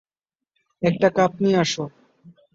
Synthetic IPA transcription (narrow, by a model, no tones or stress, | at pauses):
ɛk̚ʈakap̚niaʃo